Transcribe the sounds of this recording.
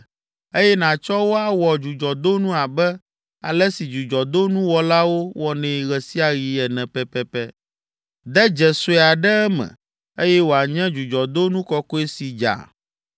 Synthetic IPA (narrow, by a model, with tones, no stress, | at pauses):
e˦jɛ˦nã˨t͡ʃɔ˦wo˦a˨wɔ˨d͡ʒu˨d͡ʒɔ˨d̪o˦nũ˦a˨bɛ˦ | a̰˨lɛ˦si˨d͡ʒu˨d͡ʒɔ˨d̪o˦nũ˦wɔ˦la˦wo˦wʔɔ˨nɛ̃˨ɣɛ˨si˦a˨ɣi˨ɛ˨nɛ̃˨pɛ˦pɛ˦pɛ˦ | d̪ɛ˦d͡ʒɛ˨so˦˨a˨ɖɛ˦ɛ˦mɛ̰̃˨ | e˦jɛ˦wo˨a˨ɲɛ̃˦d͡ʒu˨d͡ʒɔ˨d̪o˦nũ˦kɔ˦kɔ˦e˦si˨d͡ʒa̰˨